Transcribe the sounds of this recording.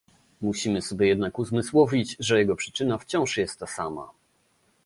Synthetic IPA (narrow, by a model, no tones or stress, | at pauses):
muɕimɘsɔbʲjɛjɛd̪nakuzmɘswɔvʲid͡ʑʐɛjɛɡɔpʂɘ̥t͡ʂɘnaft͡ɕɔ̃w̃ʂjɛst̪ːasama̰